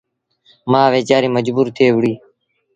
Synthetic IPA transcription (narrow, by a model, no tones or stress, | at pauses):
mãːʋeːt͡ʃaːɾiːməd͡ʒbuːɾt̪ʰeːʋɽiː